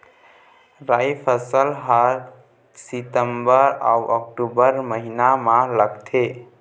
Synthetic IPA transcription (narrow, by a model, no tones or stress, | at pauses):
ɾajpʰəsəlɦaɾ | sit̪əmbəɾa̰wək̚ʈubəɾməɦinamãləɡt̪ʰe